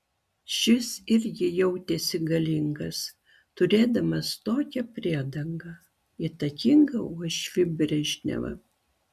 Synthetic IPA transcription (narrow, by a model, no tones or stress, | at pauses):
ʃʲɪsɪɾʲɡʲɪjɛʊt̪ʲɛsʲɪɡɐlʲɪŋɡɐs | t̪ʊɾʲeːd̪ɐmɐst̪oːkʲɛpʲɾʲiɛd̪ɐŋɡɐ | it̪ɐkʲɪŋɡɐuɔʃʲʋʲɪbʲɾʲɛʒʲnʲɛ̰ʋɐ̰